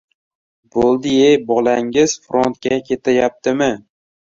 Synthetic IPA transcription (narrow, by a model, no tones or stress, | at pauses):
b̥olˠd̪ɪejbɒlˠaŋɪz̥fɾont̪̚kʲakʲʰe̞t̪ʰajap̚t̪ʰɪmɪ